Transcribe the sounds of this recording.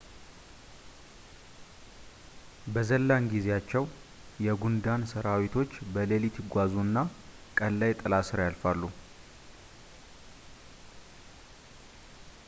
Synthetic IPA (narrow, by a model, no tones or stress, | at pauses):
bəzəlːaŋɡizejat͡ʃːɛw | jɛɡund̪ansəɾawit̪ʰo̞t͡ʃːbəlelit̪ʰiɡʷazuɨnːa | kʼəlːajt̪ʼɨlasɨɾjalfalːu